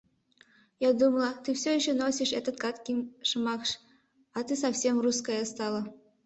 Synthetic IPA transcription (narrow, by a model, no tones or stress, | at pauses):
jɑd̪umlˠɤ̆t̪ɨfsʲojiɕenosʲiʂet̪ə̆t̪kɑt̪kʲimʲʂɤmɑkʂ | ɑt̪ɨs̬ɑfsʲemruskɑjəst̪ɑlˠɤ̆